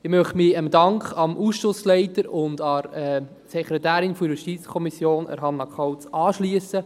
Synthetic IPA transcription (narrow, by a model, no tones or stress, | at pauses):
ɪmœχmɪəmdɑŋkχɑmʔuːsʃʊslɛɪtəɾʊndɑrɛ | sɛkʰɾɛtæːɾɪnfɔiɾəʃtit͡skʰɔmisjoːnə̰ɾɦɑnːɑkʰɑwt͡sɑːʃliəsə